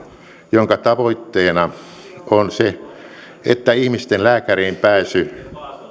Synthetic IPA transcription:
joŋkɑt̪ɑʋoit̪ːeːnɑ | onse | ḛt̪ːæihmist̪enlæːkæreːmpæːsy

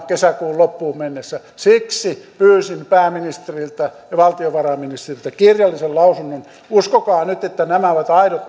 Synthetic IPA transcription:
kesækuːllopːuːmmenːesːæ | siksipyːsimpæːminist̪erilt̪æjɑʋɑlt̪ioʋɑrɑminist̪erilt̪ækirjɑlːisellɑusunːon | uskokɑːnyt̪et̪ːænæmæoʋɑt̪ɑiɾot̪

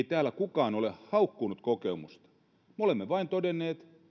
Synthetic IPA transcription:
it̪æːlækukɑːnolehhɑukːunut̪kokemust̪ɑ̥ | meolemːeʋɑint̪odenːeːt̪

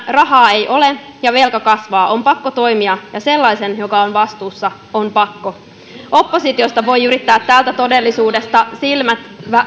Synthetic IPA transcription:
rɑɦɑːe̞jʔo̞lejɑʋe̞lkɑkɑsʋɑːʔo̞mpɑkːot̪o̞imiɑjɑse̞lːɑjse̞njo̞kɑonʋɑst̪uːsːɑ | ompɑkːo̞ | o̞pːo̞sit̪io̞st̪ɑʋo̞jyɾit̪ːæːt̪ːæːlt̪æt̪o̞de̞lːisuːde̞st̪ɑsilmæt̪ʋæ

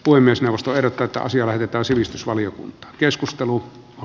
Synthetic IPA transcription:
puhemːiesneowʋːˑost̪oeˑrˑot̪ːɑːet̪ːæ̰ɑ̰siɑlæhet̪et̪æːnsiʋist̪ysʋɑlijokṵnt̪ˑɑ̥ːkeskust̪elu | o

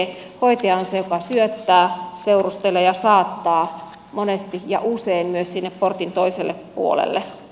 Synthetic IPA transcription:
hoit̪eɑnsejokɑsyøt̪ːæːseurust̪elːejɑsɑːt̪ːɑː | monest̪ijɑ̰ʔuseimmyøssinːepport̪int̪oiselːeppṵo̰lḛlːe

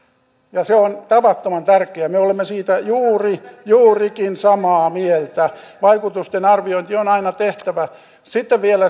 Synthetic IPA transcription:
jɑseont̪ɑʋɑt̪ːomɑnt̪ærkeæmeolemːesiːt̪æjuːrijuːrikinsɑmɑːmielt̪æʋɑikut̪ust̪enɑrʋioint̪ionɑinɑt̪eht̪æʋæ | sit̪ːeʋʋielæ

